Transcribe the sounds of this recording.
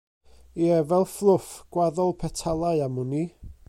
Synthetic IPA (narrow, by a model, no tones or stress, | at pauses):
iɛvɛlˠflˠʊfɡ̥waðɔlˠpʰɛtʰalˠaɨamʊni